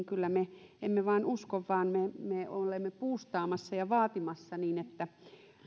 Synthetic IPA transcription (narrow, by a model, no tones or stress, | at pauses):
ŋkylːæmeemːeʋɑˑinuskoʋʋɑːnmemeolemːepuːst̪ɑːmɑsːɑjɑʋɑːt̪imɑsːɑniːnet̪ːæ